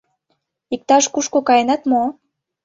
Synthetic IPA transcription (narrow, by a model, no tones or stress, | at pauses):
ik̚t̪ɑʃkuʃkokɑjenɑt̪mo